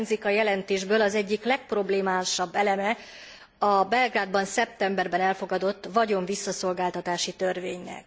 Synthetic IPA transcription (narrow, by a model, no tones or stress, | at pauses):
nzikɒjɛlɛnt̪eːʒbøːlɒzɛɟːiklɛk̚pro̞bleːmaːʃɒbːɛlɛmɛ | ɒbɛlɡraːd̪bɒnsɛp̚t̪ɛmbɛrbɛnɛlfo̞ɡɒd̪o̞t̪ːvɒɟo̞ɱvisːɒso̞lɡaːlt̪ɒt̪aːʃit̪ørveːɲnɛ̰k̚